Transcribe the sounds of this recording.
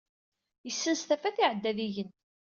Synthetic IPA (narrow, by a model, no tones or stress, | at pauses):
jəsːənst̪æfæθiʕəd̪ːæðiʝən